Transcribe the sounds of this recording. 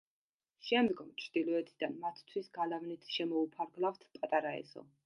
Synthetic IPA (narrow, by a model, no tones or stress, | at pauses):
ʃɛmd̪ɡɔmt͡ʃʰɾd̪̥ilˠɔɛt̪ʰid̪anmat̪ʰt̪ʰwisɡalavnit̪ʰʃɛmɔupʰaɾɡlˠaft̪ʰpʼat̪ʼaɾaɛ̰sɔ̰